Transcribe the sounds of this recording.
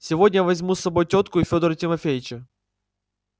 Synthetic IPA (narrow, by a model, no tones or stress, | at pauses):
sʲɪvo̞dʲnʲəvɐzʲmusːɐbo̞jtʲo̞t̪kʊɪfʲo̞d̪əɾətʲɪmɐfʲejɪt͡ɕə